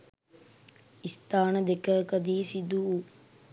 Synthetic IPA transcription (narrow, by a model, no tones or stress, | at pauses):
ist̪aːnəd̪ekəkəd̪iːsid̪uu